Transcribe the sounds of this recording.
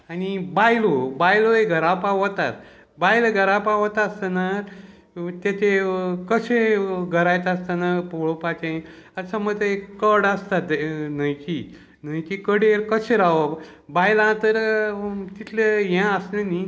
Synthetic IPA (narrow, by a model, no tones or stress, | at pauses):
anibajlobajloeɡʱəɾapaʋət̪a̰t̪ | bajləɡʱəɾapaʋət̪ast̪anaɾ | t̪et̪ʰekəɕeɡʱəɾajt̪ast̪anaɾpoɭopat͡ɕaĩ | asamət̪ekkəɽast̪at̪nəjki | n̤əjkikəɽeɾkəɕeɾaʋə | bajlãt̪əɾ | t̪it̪ʰleɦjãəsneni